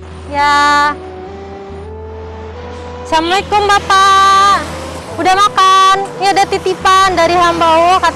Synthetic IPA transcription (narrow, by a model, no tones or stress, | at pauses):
ja | samaikɔmbapa | udamakanjadat̪it̪ipandaɾiɦambaoka